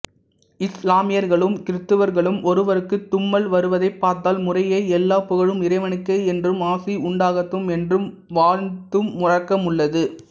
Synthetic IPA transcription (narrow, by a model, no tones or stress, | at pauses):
ɪslaːmɪjɐɾɣɐɭɯmkɪɾɯt̪ːɯʋɐɾɣɐɭɯmʔɔɾɯʋɐɾɯkːɯt̪ːʊmːɐlʋɐɾɯʋɐðɐɪpːaːɾt̪aːlmʊrɐjɐɪɛlːaːpʊɣɐɻɯmɪɾɐɪʋɐɳɯkːɐɪɛndrɯmaːsiʊɳɖaːɣɐt̪ːɯmɛndrɯm | ʋaːɾnt̪ɯmːʊrɐkːɐmɯɭːɐðɯ